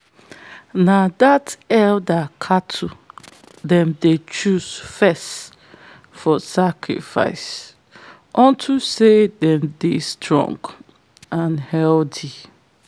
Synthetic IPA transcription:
nadatɛldakʰatʰu | dɛ̃mdet͡ʃuz̥fɛst | fɔsakʰɹḭfa̰ɪs | ʔɔ̃ntʰusedɛ̃mdistʰɹɔ̰̃ŋɡ | ãnhɛlti

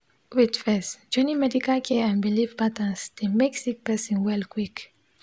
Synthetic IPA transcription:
witfɛsd͡ʒɔ̃nimɛdikalkʰɛãnbilivpat̪ə̃nsd̪̥emɛksik̚pɛsĩnwɛlkwik

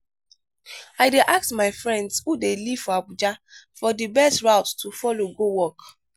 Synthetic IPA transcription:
aɪdeʔak̚tmaɪfɹɛ̃ndshudeli̥fɔabud͡ʒafɔdibɛstɹaʊttufɔloɡowɔk

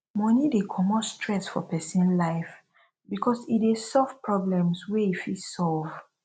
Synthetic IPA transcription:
mɔ̃nidekʰɔmɔtstʰɹɛsfɔ̰pɛsĩnlaɪf | bikʰɔsidesɔlvpʰɹɔblɛ̃mswɛifisɔlv

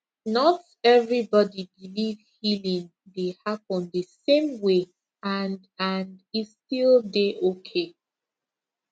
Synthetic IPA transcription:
nɔt | ɛvɹibɔdibilivhilĩŋ | dehapə̃nðəsẽmwe | ãn | ãnditstilˠdeʔokʰe

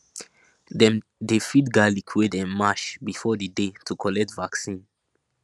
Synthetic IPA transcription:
dɛ̃mdefidɡalikʰwedɛ̃nmaʃbifɔdədetʰukʰɔlɛk̚tvaksĩn

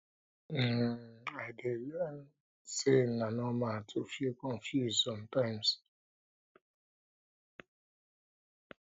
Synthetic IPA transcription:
m̩aɪde | senanɔmatʰufekɔ̃ɱfjuzsɔ̃mtãɪ̃ms

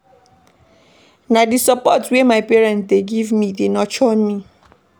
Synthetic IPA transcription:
nadisapɔtwɛmaɪpɛɹɛ̃nt̚deɡivmidenɔt͡ʃɔ̃nmi

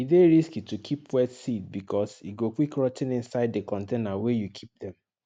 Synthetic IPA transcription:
ideɹiskitukʰipwɛdsit̚bikʰɔsiɡokwikɹɔtɛ̃nĩnsaɪdekɔ̃ntenawejukʰip̚dɛ̃m

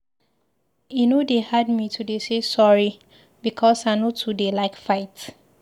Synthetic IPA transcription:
junodehad̚mitʰudesesɔɹi | bikʰɔsaɪnotʰudelaɪkfaɪt

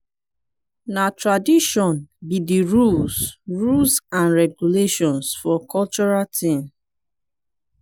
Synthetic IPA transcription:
natɹadiʃɔ̃nbidiɹulsɹulsãnɹɛɡuleʃɔ̃nsfɔkɔlt͡ʃɔɹatʰĩm

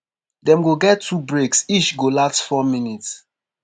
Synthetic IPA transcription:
dɛ̃mɡoɡɛtʰːubɹeksit͡ʃɡolastfɔminits

